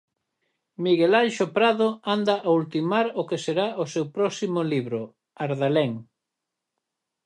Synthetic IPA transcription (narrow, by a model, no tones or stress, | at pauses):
miɣelajʃopɾaðoand̪aʔault̪imaɾokeseɾaʔosewpɾɔsimoliβɾʊ | aɾðaleŋ